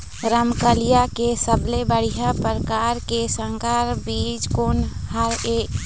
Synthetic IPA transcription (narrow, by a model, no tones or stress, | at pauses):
ɾəmkəlijakesəblebəɽ̤iɦəpɾəkaɾkesə̃ŋkaɾbiːd͡ʒkonhəɾe